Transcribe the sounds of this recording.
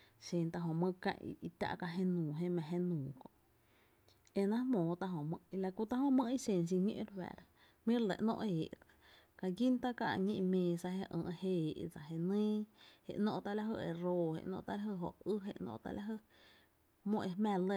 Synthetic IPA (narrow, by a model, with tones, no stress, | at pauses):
ʃẽ˧nt̪a˧ɦõ˨mə̃˧kã̰˧ʔi˧t̪ʲa̰˧ʔka˧ɦẽ˦˧nũː˨ɦẽ˦mã˧˨ɦe˦nũː˨kõ̰˧˨ʔ | e˧nã˦mõː˨t̪a˧ɦõ˨mə̃˧i˧la˧ku˧t̪a˦hõ˧mə̃˦i˦sẽ˧˨ns̬i˧ɲḛ̃˧ʔɾwɛ̰˨ɾ | mĩ˦ɾle˨ʔnõ̰˧ʔeː˨ʔ | ka˧ɡi˦nt̪a˦ka˧ʔɲĩ˦˧ʔmẽː˧sa˧he˧ʔə̰̃ː˧ʔhe˧˨ʔd͡za˨ɦe˧nĩː˦hḛ˧˨ʔnõ˧ʔt̪a˧la˧˦ɦə˧e˧˨ɾo˧hḛ˨ʔnɔ̰̃˧ʔt̪a˦la˦ɦə˧˨ɦo˨ʔɨ˦ɦe˧˨ʔnõ̰˧ʔt̪a̰˧la˧ɦə˧ | mõ˦˧ʔe˧mæ̃˧˨lə˧